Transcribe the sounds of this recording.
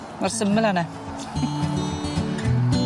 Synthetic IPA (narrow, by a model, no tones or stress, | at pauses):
marsəmːəlanɛ